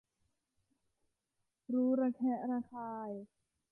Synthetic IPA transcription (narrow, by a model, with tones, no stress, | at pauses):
ɾuː˦˥ɾaː˧kʰɛ˦˥ʔɾaː˧kʰaː˧j